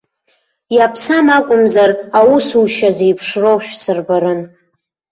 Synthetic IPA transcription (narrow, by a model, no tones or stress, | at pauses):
japʰsamakʷʼʊmzarawusuʃazejpʰʂrowʃᶣsɨrbaɾɨn